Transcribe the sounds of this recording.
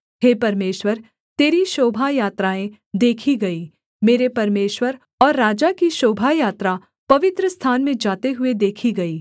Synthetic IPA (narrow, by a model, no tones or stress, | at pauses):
ɦeːpɐɾmeːʃwəɾ | t̪eːɾiʃoːbʱajaːt̪ɾaːẽ | d̪eːkʰiɡɐiː | meːɾepɐɾmeːʃwəɾ | ɔːɾːaːd͡ʒakiʃoːbʱajaːt̪ɾa | pɐʋɪt̪ɾəst̪ʰaːnmẽd͡ʒaːt̪eɦʊed̪eːkʰiɡɐiː